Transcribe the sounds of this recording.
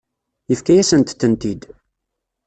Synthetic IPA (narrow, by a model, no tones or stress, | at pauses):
jəfkæjæsənt̪θənt̪id̪